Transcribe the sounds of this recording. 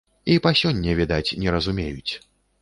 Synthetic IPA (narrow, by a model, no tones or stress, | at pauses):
ipasʲɔnʲːɛvʲɛd̪at͡sʲnʲɛɾɐzumʲejut͡sʲ